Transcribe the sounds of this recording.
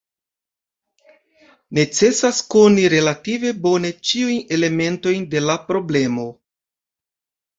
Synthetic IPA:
ne̞t͡se̞sasko̞niɾe̞lativebo̞ne̞t͡ʃiujne̞le̞me̞nto̞jnde̞lapɾo̞ble̞mo̞

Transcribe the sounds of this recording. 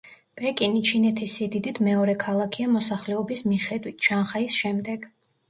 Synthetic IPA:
pʼɛkʼinit͡ʃʰinɛt̪ʰisid̪id̪it̪ʰmɛɔɾɛkʰalˠakʰiamɔsaχlɛɔbismiχɛd̪wit̪ʰʃanχaisʃɛmd̪ɛɡ̥

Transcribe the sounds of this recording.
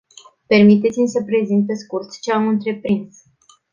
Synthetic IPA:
pe̞rmit̪e̞t̪simʲsəpɾe̞zint̪̚peskurt̪t͡ʃeamɨnt̪ɾe̞pɾins

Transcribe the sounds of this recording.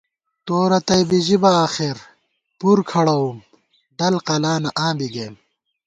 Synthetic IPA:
t̪oːɾɐt̪ɐjbiʑibɐaːxeɾ | puɾkʰɐɽɐwum | ɖɐlqɐlaːnɐʔãːbiɡeːm

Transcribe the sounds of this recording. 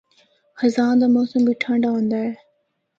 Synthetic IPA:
xɐzãːnd̪aːmɔːsəmbiʈʰãːɳɖaːɦõːnd̪aːɦeː

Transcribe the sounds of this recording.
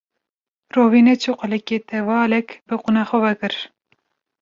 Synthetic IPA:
roːviːnet͡ʃʰuqɨlɛkeːt̪ɛvɑːlɛkbɨqunɑːxʷɔvɛkɨɾ

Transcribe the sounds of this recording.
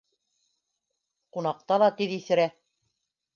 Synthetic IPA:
qunɑq̚t̪ɑlˠɑt̪iðiθɘ̆ɾæ

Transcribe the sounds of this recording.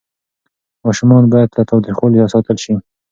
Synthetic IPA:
mɑʃumɑnbɑjad̪̚lat̪ɑwt̪ɾixwɑlihasɑt̪əlʃi

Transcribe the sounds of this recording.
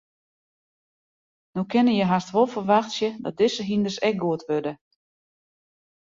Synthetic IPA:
nokʰɪnəjəɦarstʋolˠfərʋaxtsjədɔt̚dɪsəɦindərsɛk̚ɡuətʋødə

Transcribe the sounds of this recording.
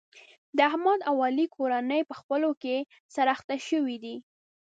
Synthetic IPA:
d̪əahmɑd̪awɑlikʰoɾanəjpəxpəloke | saɾɑxt̪aʃəwid̪i

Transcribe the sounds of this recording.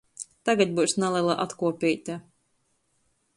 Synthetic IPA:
t̪aɡat̪̚ʲbuwsnalˠɛlˠaʔat̪kuɔpʲijt̪ʲa

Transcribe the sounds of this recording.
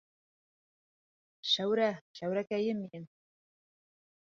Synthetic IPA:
ʃæwɾæʃæwɾækæjɘmːiɘn

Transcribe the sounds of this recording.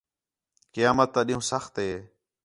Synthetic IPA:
kɪjaːmət̪ːaːɗĩɦũːsəxt̪ɦeː

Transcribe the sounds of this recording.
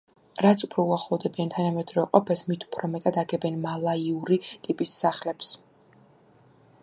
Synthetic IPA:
ɾat̪sʰʼupʰɾɔuaχlˠɔvd̪ɛbiant̪ʰanamɛd̪ɾɔqʼɔpʰɛsmit̪ʰu̥pʰɾɔmɛt̪ʼad̪aɡɛbɛnmalˠaiuɾit̪ʼipʼisːaχlɛps

